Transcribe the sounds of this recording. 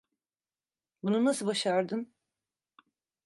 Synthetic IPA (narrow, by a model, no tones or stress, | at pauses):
bununasɯbaʃaɾd̪ɯn